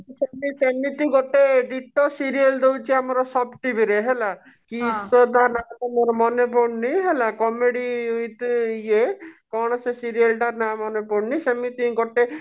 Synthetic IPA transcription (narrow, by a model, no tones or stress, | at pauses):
semisemit̪ĩɡɔʈeɖiʈɔsiɾield̪ewt͡ʃʰiamɔɾɔsɔbʈibiɾeɦela | kisɔt̪aɾnat̪amɔɾɔmɔnep̬ɔɽniɦelakɔmeɽiujt̪ekɔɽ̃ɔsesiɾielʈaɾnamɔnepɔɽnisemit̪iĩɡɔʈe